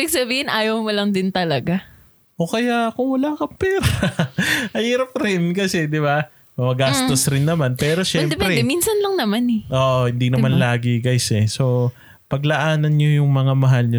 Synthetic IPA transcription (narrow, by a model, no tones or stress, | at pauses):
ʔibɪɡ̚sɐbiːhɪnʔaːjɐwmɐlɐŋd̪ɪnt̪ɐlɐɡa | ʔokɐjaʔkʊŋwɐlakɐmpɛːɾɐ | mɐhiːɾɐp̚ɾɪnkɐsɛd̪ɪba | ɐmɐɡast̪osɾɪnːɐmanpɛːɾo̞ʃɛmd̪ɛpɛɾɛd̪ɛminsɐnlɐŋnɐmanɛʔoːʔohɪnd̪inɐmanlaːɡɪɡajsɛso̞ | pɐɡ̚lɐʔaːnɐnɲojʊŋmɐŋamɐɦalɲo